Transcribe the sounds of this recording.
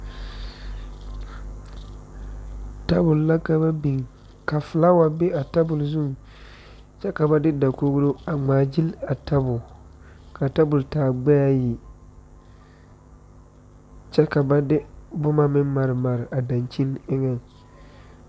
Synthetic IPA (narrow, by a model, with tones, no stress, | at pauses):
ta˦bʊ˨lla˦ka˦ba˦bi˨ŋ˨ | ka˨fɪ˨la˦wa˨be˦a˨ta˦bʊ˨lzu˦ŋ˨ | t͡ʃɛ˦ka˨ba˦dɪ˦da˨ko˦ɡlo˦a˨ŋ͡maː˨d͡ʒi˦la˨ta˦bʊ˨ | ka˨ta˦bʊ˨ltaː˨ɡ͡bɛ˦ja˦ji˨ | t͡ʃɛ˦ka˨ba˦dɪ˦bʊ˦ma˦mɪ˦n˦ma˨ɾɪ˨ma˨ɾɪ˨ʔa˨da˨nt͡ʃi˦nɪ˦ŋɛ˦ŋ